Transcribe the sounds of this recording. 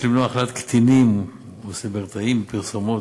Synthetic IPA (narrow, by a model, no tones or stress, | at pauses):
limnuaχlat̪kt̪inim | osebeʁt̪aimpiʁsomo